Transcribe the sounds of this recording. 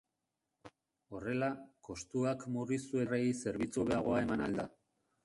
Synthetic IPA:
o̞re̞lako̞st̪uakmurisue̞reise̞ɾβit͡suβeaɣ̞o̞ae̞mana̰ld̪a

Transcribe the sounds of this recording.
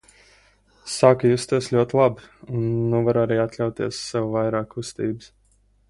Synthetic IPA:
saːkjust̪iɛslʲuɔt̪ʲlˠabunːuvaɾaɾiːat̪lʲawt̪iɛsːɛwvajɾaːkːust̪iːbɨs

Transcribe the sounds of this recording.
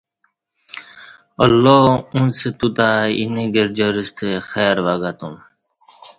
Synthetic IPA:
ɔ̰lːoːũnset̪ut̪aːḭneɡeɾd͡ʑoɾist̪ʰexɛːɾʋaɡat̪um

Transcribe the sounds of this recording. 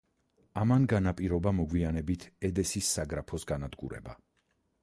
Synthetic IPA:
amanɡanapʼiɾɔbamɔɡwianɛbit̪ʰɛd̪ɛsisːaɡɾapʰɔsɡanad̪ɡṵɾɛ̰ba̰

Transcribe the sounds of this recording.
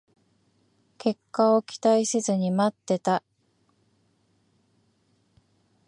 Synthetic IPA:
kʰe̞kːao̞kʲi̥t̪aisɨzɨɲ̟imat̪ːe̞t̪a

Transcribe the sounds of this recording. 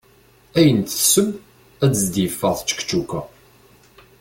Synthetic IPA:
æjənt̪əsəm | æt͡səzd̪jəfːəʁθət͡ʃːə̥kt͡ʃːukæ

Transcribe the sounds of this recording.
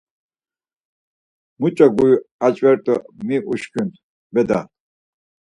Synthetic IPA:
mut͡ʃʼaɡujat͡ʃʼwɛɾt̪ʼɔmiʔuʃkʰʼynt̪ | bɛd̪a

